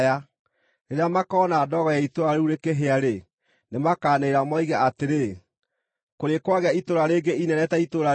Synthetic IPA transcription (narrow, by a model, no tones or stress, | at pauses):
a | ɾeɾeamakɔːnaːdɔɣɔjaitoɾaɾeuɾekeɦeaɾe | nemakaːneɾamɔiɣaateɾe | koɾekwaɣeaitoɾaɾeːɡeinɛɾɛtaitoɾa